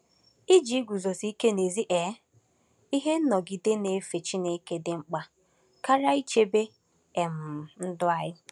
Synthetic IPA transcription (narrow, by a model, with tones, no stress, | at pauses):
i˦d͡ʒi˨i˦ɡʷu˨zo˨si˦i˦ke˦ne˨zi˦ʔɛ˨˦ | i˦ɦe˦nɔ˨ɡi˨de˦ne˨˦fe˨t͡ʃi˦ne˦i˦ke˦dɪ˨ŋ͡m̩˦k͡pa˦ | ka˦ɾa˦i˦t͡ʃe˦be˦ | e˨m̩˨n̩˦dʊ˦a˨jɪ˦